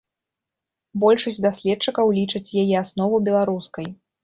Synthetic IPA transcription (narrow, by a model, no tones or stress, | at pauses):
bɔlʲʂɐsʲd̪asʲlʲɛt̪̚t͡ʂɨkɐwlʲit͡ʂɐt͡sʲjajɛasnɔvɐbʲɛlˠaɾuskɐj